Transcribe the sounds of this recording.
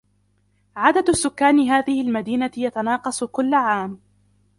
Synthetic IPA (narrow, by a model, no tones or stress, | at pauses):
ʕad̪ad̪ʊsːʊkːaːnɪɦaːðɪhɪlmad̪iːnajat̪anɑːqɑsˤkʊlːaʕaːm